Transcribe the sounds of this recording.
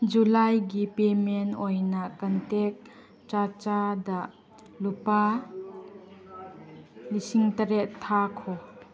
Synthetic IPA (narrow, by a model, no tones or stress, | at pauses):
d͡ʒulajɡipemenojnakantek̚ | t͡ʃat͡ʃada | lupa | lisiŋtɐɾetʰːakʰɔ